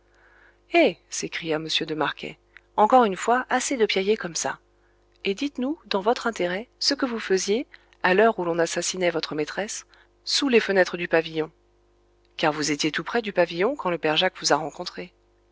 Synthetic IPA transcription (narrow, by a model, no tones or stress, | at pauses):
esekχijaməsjød̪əmaʁkʲʰɛ̰ | ɑ̃kɔʁynfwaʔased̪əpjajekɔmsa̰ | ed̪it̪nud̪ɑ̃vɔt̪χɛ̃t̪eʁɛsəkəvufəzje | alœʁulɔ̃nasasinɛvɔt̪χəmet̪χɛsː | ulefənɛt̪χəd̪ypavijɔ̃ | kaʁvuzet̪jet̪upχɛd̪ypavijɔ̃kɑ̃ləpɛʁʒakvuzaʁɑ̃kɔ̃t̪χe